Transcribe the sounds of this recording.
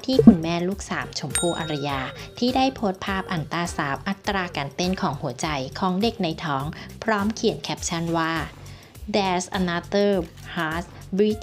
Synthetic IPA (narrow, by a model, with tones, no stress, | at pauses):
t̪ʰiː˥˩kʰu˧˩nmɛː˥˩luː˥˩k̚sa̰ː˩˦m̚t͡ɕʰo˧mpʰuː˥˩ʔa̰˧ɾa˧jaː˧t̪ʰiː˥˩daː˥˩jpʰo˦˥t̪̚pʰaː˥˩p̚ʔa˨˩nt̪aː˧saː˩˦p̚ʔa˧˥t̪ːɾaː˧kaː˧nt̪e˥˩nkʰɔː˩˦ŋhu˨˩˦ɐt͡ɕa˧jkʰɔː˩˦ŋde˨˩k̚na˧jt̪ʰɔː˦˥ŋpʰɾɔː˦˥mkʰi˨˩ənkʰɛː˦˥p̚t͡ɕʰa˥˩nwaː˥˩ | dɛː˨˧sʔa˧na˦˧t̪ɤː˥˩ | haː˦˥s | bɾi˦˥t̪